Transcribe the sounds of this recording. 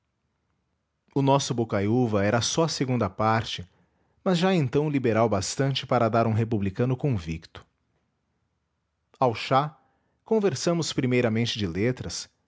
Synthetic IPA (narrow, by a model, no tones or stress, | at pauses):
ʊnɔsʊbokajuvɐɛɾɐsɔɐseɡũnd̪ɐpaɾt͡ʃɪ | mɐzʒaẽnt̪ɐ̃w̃libeɾawbast̪ɐ̃nt͡ʃɪpaɾɐd̪aɾũɦepublikɐ̃nʊkõvḭkt̪ʊ̥ | awʃa | kõveɾsɐ̃mʊspɾimejɾɐmẽnt͡ʃɪd͡ʒɪlet̪ɾɐs